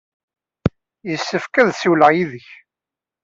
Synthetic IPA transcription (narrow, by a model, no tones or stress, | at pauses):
jəsːəfkæðsuwləʁjiðəç